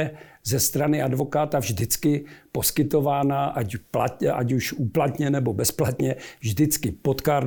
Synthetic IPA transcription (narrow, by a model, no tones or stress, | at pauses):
ɛzɛst̪ɾanɪʔadvo̞kaːt̪avʒdɪt͡skɪpo̞skɪt̪o̞vaːnaʔapla̰ʔa̰cuʃuːplat̪ɲɛnɛbo̞bɛsplat̪ɲɛvʒdɪt͡skɪpo̞t̪kaːɾ